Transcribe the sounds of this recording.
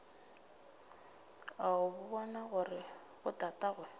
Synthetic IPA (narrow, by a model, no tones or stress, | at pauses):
aʊbʊbɔnaɣʊrɪ | ɣʊtʼatʼaɣwɛ